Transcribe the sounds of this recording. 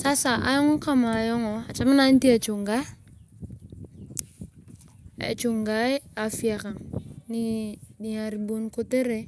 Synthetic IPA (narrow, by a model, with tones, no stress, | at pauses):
sa˦sa˨ʔa˦jɔ˦ŋo˦ka˦ma˨jo˦ŋo˨a˨t͡ʃa˦ma˦na˦n˦ti˦a˨t͡ʃu˨ŋɡa˦ | a̰˨t͡ʃu˨ŋɡa˦ja˨fi˦a˨ka˨ŋni˦di˨ɲa˨ɾbu˦nku˦te˦ɾe˦